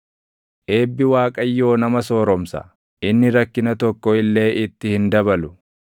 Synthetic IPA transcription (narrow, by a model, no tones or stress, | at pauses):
ʔe̞ːbːɪwaːkʼɐjːo̞ːnɐmɐso̞ːɾɔmsɐ̰ | ʔɪnːɪɾɐkːɪnɐt̪ɔkːɔɪlːe̞ːʔɪt̪ːɪhɪnd̪ɐbɐlʊ